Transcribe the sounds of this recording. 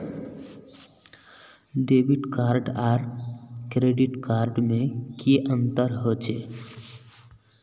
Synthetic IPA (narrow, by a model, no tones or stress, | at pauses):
ɖebiʈkaɾɖaɾkɾeɖiʈkaɾɖmẽkiʔənt̪əɾɦot͡ʃʰe